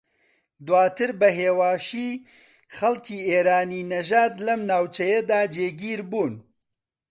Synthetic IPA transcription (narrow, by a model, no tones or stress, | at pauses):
d̪waːt̪ɨɾbɐɦeːwaːʃiː | xɐlkiːeːɾaːniːnɐʒaːd̪lɐmnaːwt͡ʃɐjɐd̪aːd͡ʒeːɡiːɾbuːn